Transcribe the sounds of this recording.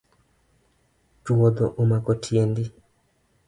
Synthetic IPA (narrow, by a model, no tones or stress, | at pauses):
tuwod̪oʔumakotʰjendi